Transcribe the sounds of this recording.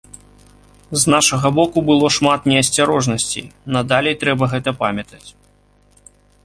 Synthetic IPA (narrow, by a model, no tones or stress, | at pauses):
znaʂɐɣɐbɔkubɨlˠɔʂmat̪nʲɛɐsʲt͡sʲaɾɔʐnɐsʲt͡sʲḭjnɐd̪alʲɛjt̪ɾɛbɐɣɛt̪ɐpamʲɐt̪ɐt͡sʲ